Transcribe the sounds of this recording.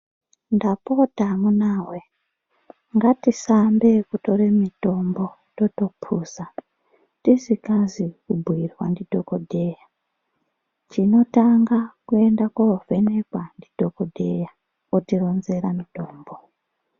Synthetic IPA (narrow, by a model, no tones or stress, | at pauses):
ndapo̞tamunaːwe | ŋɡatisambe̞kuto̞remito̞mbo̞ | totopʰuːsa | tisikazikubʱwirwandidʱokodʱeja | t͡ʃino̞taŋɡakue̞ndakove̞ne̞kwandidʱokodʱeja | otiro̞nze̞ɾamito̞ːmbo